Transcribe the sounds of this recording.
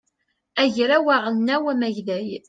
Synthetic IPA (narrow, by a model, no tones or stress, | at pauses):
æʝɾæwaʁəlnæwæmæʝðæj